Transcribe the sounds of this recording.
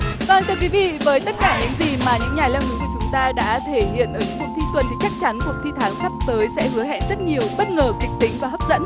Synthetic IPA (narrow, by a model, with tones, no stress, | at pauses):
vaː˨˩˨nt̪ʰə˨˩kwi˨˦vḭ˧˨vəː˨˦jt̪ə˦˥t̚kaː˧˩ɲɨ̰˧˥ŋzi˨˩maː˨˩ɲɨ̰˧˥ŋɲaː˨˩lɛ˧wŋɨ˨˦ku˧˩t͡ɕʊ˨˦ŋ͡mt̪aː˧ɗa̰ː˧˥t̪ʰe˧˩hḭ˧˨ənʔəː˨˦jɲɨ̰˧˥ku˨˩t̪ʰi˧t̪wə˨˩nt̪i˨˩t͡ɕa˦˥k̚t͡ɕa˨˦nt̪u˨˩ək̚t̪ʰi˧t̪ʰaː˨˦ŋsa˦˥p̚t̪əː˨˦jsɛ̰˧˥hɨ˨˦əɦɛ̰˧˨nzə˦˥t̚ɲi˨˩əwɓə˦˥t̚ŋəː˨˩kï˨˩t̪ï˨˦ŋ̟vaː˨˩ɦə˦˥p̚zə̰˧˥n